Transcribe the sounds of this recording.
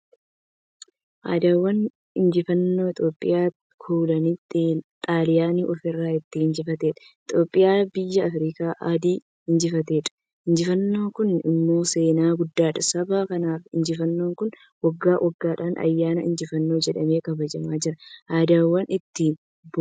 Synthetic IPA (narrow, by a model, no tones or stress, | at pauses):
ʔa̰ːd̪aːwːɐn | ɪnd͡ʒɪfɐnːoːɪt̪ʼjo̞ːpʼːɪ̰jaː | kʰuːlɐniːt̪ːt̪ʼaːlɪjaːniːʔɔfɪrːaːɪt̪ːɪɪnd͡ʒɪfɐt̪eːᶑɐ̥ | ɪt̪jo̞ːpʼːɪjaːbɪjːɐːfɾiːkaːʔaːd̪iː | ɪnd͡ʒɪfɐt̪eːᶑɐ̥ | ɪnd͡ʒɪfɐnːo̞ːŋkʊnɪ̰mːo̞ːse̞ːnaːɡʊd̪ːaːᶑɐsɐbaːkɐnaːfɪnd͡ʒɪfɐnːo̞ːŋkʊn | wɐɡːaːwʔɐɡːaːᶑaːnʔɐ̰jːaːnɐɪ̰nd͡ʒɪfɐnːo̞ːd͡ʒɛᶑɐme̞ːkɐbɐd͡ʒɐmaːd͡ʒɪɾɐʔaːd̪aːwːɐnʔɪt̪ːɪ | b